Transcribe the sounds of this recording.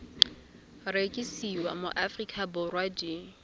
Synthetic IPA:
rekʼisiwa̰mo̰ʔafrikʰʼabʊrwad͡ʒi

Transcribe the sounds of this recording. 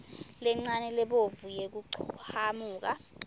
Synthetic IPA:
lɛŋ͡ǀanɛlɛɓovujek̬uǀʰhamuːk̬a

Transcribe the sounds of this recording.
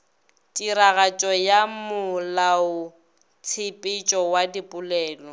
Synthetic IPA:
tʼiɾaɣat͡ʃʼɔjamʊlaʊ | t͡sʰɪpʼɪt͡ʃʼɔwadipʼʊlɛːlɔ

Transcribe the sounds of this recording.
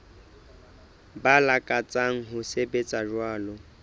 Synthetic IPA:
balakʼat͡sʼaŋ̩ɦʊsebet͡sʼaʒwaːlɔ

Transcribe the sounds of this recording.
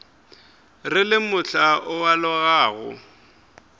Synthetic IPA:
rɪlɪmʊɬaʔʊwalɔɣaːɣʊ̰

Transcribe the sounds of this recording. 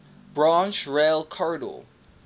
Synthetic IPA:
b̥ɹɑ̃nt͡ʃɹelˠkʰɔɹdɔ̰l

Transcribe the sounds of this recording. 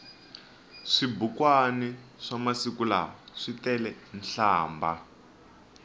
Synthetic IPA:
ʂibukwani | ʂamasikula̰ɔʂitɛlɛnɬaːmba

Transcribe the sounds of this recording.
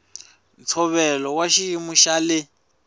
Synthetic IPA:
nt͡sʰɔβɛlɔwaʃiimuʃalɪ

